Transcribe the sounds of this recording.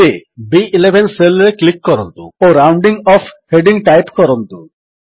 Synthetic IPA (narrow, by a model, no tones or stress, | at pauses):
ebiilebʱenselɾeklikːɔɾɔ̰nt̪ṵoɾawɳɖiŋɔpʰheɖiŋʈajpkɔɾɔnt̪u